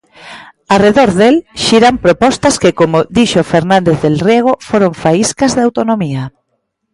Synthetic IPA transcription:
areðoɾðelʃiɾampɾopɔst̪ɐskɪkomoðiʃofeɾnãnd̪eθðelrjeɣ̞ofoɾoɱfaiskazðawt̪onomia

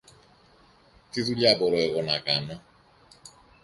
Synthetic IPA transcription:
tizuliabɔɾɔɛɣɔnakana

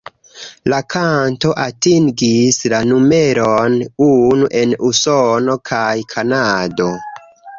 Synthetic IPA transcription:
lakʰanto̞ʔatiŋɡislanume̞ɾo̞nunuʔe̞nusono̞kʰajkʰanado̞

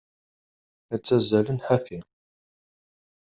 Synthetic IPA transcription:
æt͡sːæzælənħafin

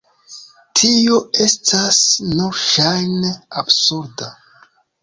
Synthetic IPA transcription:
tʰioe̞stʰasnuɾʃajneabsuɾda

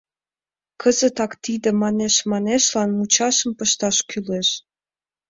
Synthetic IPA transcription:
kʰəzət̪ɑkt̪id̪ə̆mɑneʃmɑneʃlɑnmut͡ɕɑʃəmpəʃt̪ɑʃkyleʃ

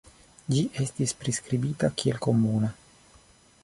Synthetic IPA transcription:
d͡ʒiʔe̞stispɾiskɾibitakielko̞muna

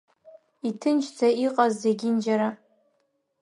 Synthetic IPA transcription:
itʰɨnt͡ʃʰt͡sʰʼaiqʼazːeɡʲind͡ʒaɾa

